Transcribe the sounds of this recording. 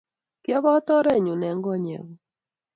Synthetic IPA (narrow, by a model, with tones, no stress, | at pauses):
kjɔ˦βɔ˦t̪ɔ˦ɾɛ˦˨ɲu˨nɛ˨ŋɡɔ˦ɲɛ̰˨ŋɔ˨